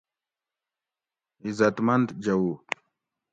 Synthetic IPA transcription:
izɐt̪mɐnd̪d͡ʑɐwu

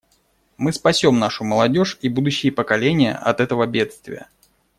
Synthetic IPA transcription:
mɨspɐsʲo̞mnaʂʊməlˠɐdʲo̞ʂibud̪ʊɕːɪjəpəkɐlʲenʲɪjə̰ʔɐ̰t̪ɛt̪əvəbʲe̞t̪st̪vʲɪ̰jə̰

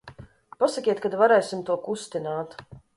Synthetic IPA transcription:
pasakʲiɛt̪̚kad̪vaɾɛjsimt̪uɔkust̪inaːt̪

